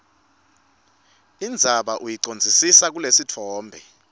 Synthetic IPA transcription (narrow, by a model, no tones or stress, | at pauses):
ind͡zʱaɓaʔujiǀond͡zʱisisak̬ulesitʰɔːmbʱɛ